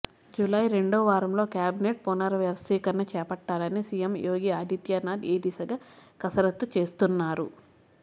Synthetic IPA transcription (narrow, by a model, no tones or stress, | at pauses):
d͡ʒulajɾe̞ɳɖɔːʋaːɾɐmlo̞ːkʲjaːbineːʈ̚ponɐɾɐʋjɐʋɐst̪iːkɐɾnɐt͡ʃɛːpɐʈːaːlɐnisijemjoːɡiaːd̪ʱit̪jaːnaːd̪eːɖisɐɡɐkɐsɐɾɐt̪ːut͡ʃe̞ːst̪unːaːɾṵ